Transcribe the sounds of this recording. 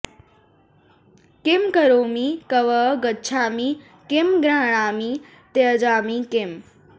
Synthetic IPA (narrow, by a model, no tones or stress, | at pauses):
kemkəɾoːmikəʋəɡəːt͡ʃʰaːmi | kemɡɾaːɽ̃aːmi | t̪ed͡ʒaːmikem